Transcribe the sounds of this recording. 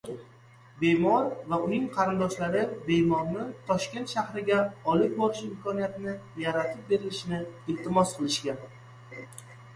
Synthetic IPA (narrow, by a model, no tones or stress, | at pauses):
be̞mɒɾvaʊnɪŋqʰɑɾɪnd̪ɒʃlaɾɪbe̞mɒɾnɪt̪ʰɒʃkʲe̞nt̪ʃahɾɪɡʲaɒlˠɪk̚ʲbɒɾɪʃɪmkʰɒnijat̪nɪjaɾat̪ʰɪp̚be̞ɾɪlɪʃɪnɪɪlt̪ʰɪmɒsqʰɨlˠɪʃkʲa